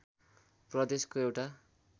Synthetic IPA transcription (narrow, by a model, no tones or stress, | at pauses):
prʌd̪eskoewʈa